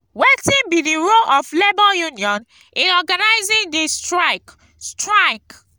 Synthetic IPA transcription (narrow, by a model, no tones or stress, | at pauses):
wetĩnbidiɹoʔɔflebɔjuniɔ̃n | ĩnɔɡanaɪzĩŋdestɹaɪk | stɹaɪk